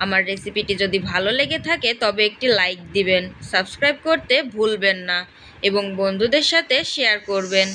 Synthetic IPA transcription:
amaɾːesipiʈid͡ʑod̪ibʱaloleɡet̪ʰaket̪ɔbeek̚ʈilajk̚d̪ibensabskɾajb̚koɾt̪ebʱulbenːa | eboŋbond̪ʱud̪eɾʃat̪ʰeʃeaɾkoɾben

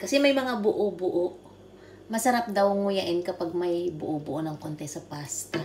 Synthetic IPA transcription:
kɐsɛmɐjmɐŋabʊʔobʊʔo | mɐsɐɾap̚d̪ɐwŋʊjɐʔɪnkɐpaɡ̚mɐjbʊʔobʊʔonɐŋkont̪ɛsɐpast̪ɐ

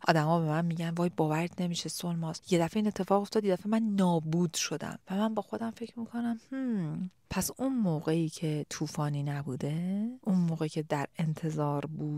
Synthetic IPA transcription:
ʔɒ̰ːd̪æmɒːbe̞mænmiːɟænvɒːjbɒːvæɾd̪ne̞miːʃesolmɒːsje̞d̪æfeiːne̞t̪ʰːe̞fɒːɣoft̪ɒːd̪je̞d̪æfemænːɒːbuːd̪̥ʃo̞d̪æ̰mvæmænbɒːxo̞d̪æmfe̞cʰɾmiːkʰo̞næmh̩ːpʰæsunmoːɣe̞iːcʰe̞t̪ʰuːfɒːniːnæbuːd̪e̞ʔunmoːɣecʰe̞d̪æɾe̞nt̪ʰe̞zɒːɾbuːd

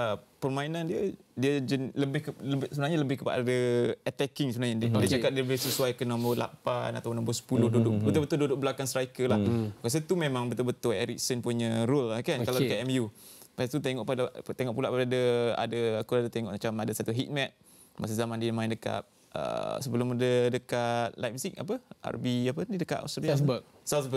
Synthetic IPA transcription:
əpərmainandiədiəd͡ʒənləbɪhkələbsəbənaɲaləbɪhkəpa̰ʔdəət̪ɛkɪŋsəbənaɲaddiət͡ʃakat̪̚diələbɪhsəsuwajkənɔ̃mbərla̰pana̰t̪apunɔ̃mbəsə̥pulʊhdudʊʔbət̪ubət̪ʊdudʊʔ̚bəlakansɾaikəlahkas̬ət̪umemãŋbət̪ʊlbət̪ʊeɾḭk̚sənpuɲəɾulakankalawdəkat̪ɛmjupat̪ut̪eŋɔʔpadat̪eŋɔʔpula̰ʔpadadəa̰dəakuadət̪eŋɔʔmat͡ʃamadasat̪uɦit̪̚mɛt̪̚ | ma̰s̬azamandiəmãɪndəka̰t̪̚ | ə̰səbəlʊmədədəkat̪̚lajpsik̚a̰pəa̰rbiapənidəkaʔ̪a̰st̪ɾi | sasbə

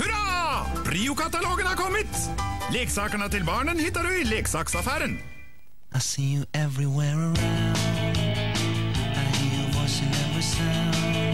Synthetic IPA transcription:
hʉɾɑpʰɾiːʊkɑt̪ɑloːɡənhɑɾkʰɔmːət̪leːksɑːkəɳət̪ɪlbɑːɳənhɪt̪ːɑɖʉɪleːksɑːksɑfæːɾən | aɪsijəʔɛvɹiwɛɹəɹãʊ̃nn | aɪiəwʌt͡ʃɨnɛvə˞sãʊ̃n

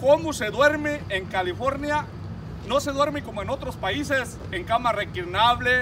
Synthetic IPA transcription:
komose̞ðwe̞ɾmeeŋkalifo̞ɾnja | no̞se̞ðwe̞ɾmeko̞moeno̞t̪ɾospaises | eŋkamarekiɾnaβle

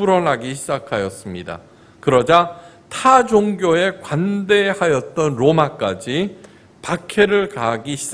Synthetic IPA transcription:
uɾʌnɦaɡiɕʰid͡ʑakʰajʌs͈ɯmɲida̰ | kɯɾʌd͡ʑa | tʰad͡ʑoŋɡjoe̞kwande̞hajʌt̚t͈ʌnɾomak͈ad͡ʑi | pakʰe̞ɾɯɭkaɦɡiɕʰi̥

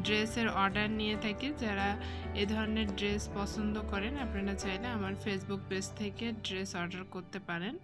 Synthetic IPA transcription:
ɖɾeseɾɔɾɖaɾnijet̪ʰaked͡ʑaɾaed̪ʱɔɾoneɾɖɾespɔsond̪okɔɾenapnaɾat͡ɕajleamaɾfesbuk̚pest̪ʰekeɖɾesɔɾɖaɾkoɾt̪epaɾen

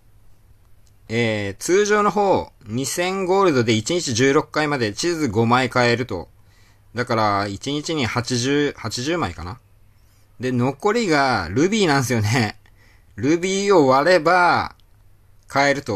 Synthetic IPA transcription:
eːt͡sɨːʑo̞ːno̞ɦo̞ːɲ̟isẽ̞ŋɡo̞ːɾɯ̟d̪o̞d̪e̞it͡ɕiɲ̟it͡ɕiʑɨːɾo̞kːaimad̪e̞t͡ɕizɨɡo̞maikae̞ɾɯ̟t̪o̞̰ | d̪akaɾait͡ɕiɲ̟it͡ɕiɲ̟ihat͡ɕiʑɨːhat͡ɕiʑɨːmaikana | d̪e̞no̞ko̞ɾʲiɡaɾɯ̟bʲiːnãɰ̃sɨjo̞ne̞ | ɾɯ̟bʲiːo̞βaɾe̞ba | kʰae̞ɾɯ̟t̪o̞

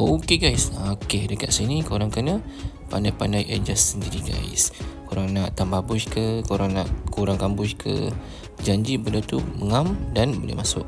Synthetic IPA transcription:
ʔokeɡajsaokedəkaʔ̪sinĩkoɾaŋkənə | pa̰ndajpandajʔad͡ʒasəndiɾiɡa̰ḭskoɾaŋnaʔt̪ambabʊʃkəkuɾaŋnaʔkuɾaŋkambʊʃkʰə̰ | d͡ʒaɲd͡ʒibəlot̪uməŋamdanbo̰lḛhmasʊk̚

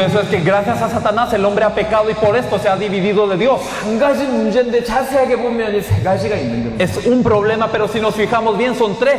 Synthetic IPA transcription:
es̬oeskeɣɾaθjasasat̪anase̞lo̞mbɾe̞ape̞kað̞o̞ipo̞ɾe̞st̪o̞seaðiβiðiðo̞ðe̞ðjo̞s | ɡaʒid͡ʒend̪et͡ʃaseakepomeanisɡaʒiɡaenend̪eesumpɾo̞βle̞mape̞ɾo̞sino̞sfixamozβje̞nso̞nt̪ɾes

